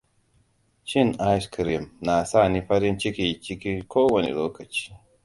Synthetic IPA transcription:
t͡ʃi˦˨na˦skɾi˨mna˨sa˦˨ni˦ɸɐ˦ɾi˦nt͡ʃi˦kʲi˨t͡ʃi˦ki˦kʰoː˦wɐ˨nḛ˨loː˦kɐ˨t͡ʃi̥˦

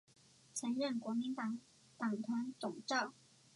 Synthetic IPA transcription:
t͡sʰə˧˥ŋɻə˥˩nkwɔ˧˥mi˧˥nt̪ɑ˨˩ŋ | t̪ɑ˨˩ŋt̪ʰwa˧˥nt͡sʊ˨˩ŋʈ͡ʂɑ˥˩ʊ

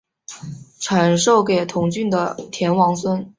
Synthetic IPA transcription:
ʈ͡ʂʰa˧˥nʂo˥˩ʊke˨˩ɪt̪ʰʊ˧˥ŋt͡ɕy˥˩nd̪ə˩t̪ʰjɛ˧˥nwɑ˧˥ŋswə˥n

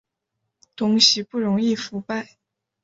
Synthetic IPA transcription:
t̪ʰʊ˧˥ŋɕi˧˥pu˥˩ɻʊ˧˥ŋi˥˩fu˧˥pa˥˩ɪ

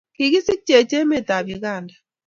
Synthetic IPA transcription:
ki˨ɣi˦si˦t͡ʃɛ˨t͡ʃɛ˦mɛ˦˨ta˨βi˨ɣa˦˨nda˨

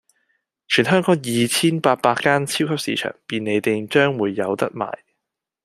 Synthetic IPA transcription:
t͡ʃʰyː˨˩nɦœː˥ŋkɔː˨˧˥ŋjiː˨˧t͡sʰiː˥npaː˧t̚paː˧kkːaː˥nt͡sʰiː˥wkʰɐ˥p̚sḭː˨˧t͡ʃʰœ̰ː˨˩ŋpiː˨ne˨˧jt̪e˨jt͡ʃœː˥ŋwuː˨˧jːɐ̰˨˧wt̪ɐ˥k̚ma̰ː˨˩j

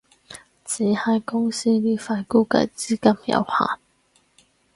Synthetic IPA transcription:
t͡siː˨˦hɐ˧˩jkʊ˥ŋsiː˥liː˥fa˧nkuː˥kɐ̰˧˥˧t͡siː˥kɐ˥mjɐ̰˨˧˥wha̰ː˨˩n

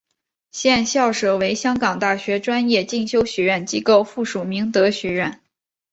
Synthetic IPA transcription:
ɕjɛ˥˧nɕjɑ˥˩ʊʂɤ˨˩we˧˥ɪɕjɑ˥ŋkɑ˨˩ŋt̪a˥˩ɕɥɛ˧˥ʈ͡ʂwa˥njɛ˥˧t͡ɕi˥˩ŋɕjo˥ʊɕɥɛ˧˥ɥə˥˩nt͡ɕi˥ko˥˧ʊfu˥˩ʂu˨˩mi˧˥ŋt̪ɤ˧˥ɕɥɛ˧˥ɥɛ˥˩n

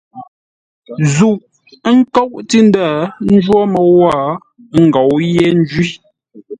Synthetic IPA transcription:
zu˨ʔ | ŋ̩˦kɔ˦˨wʔti˦n˦da˦˨n̩˦d͡ʒwɔ˦mə˨wa˦˨˦ | ŋ̩˨ɡɔ˨wjɛ˦n˦d͡ʒɥi˦

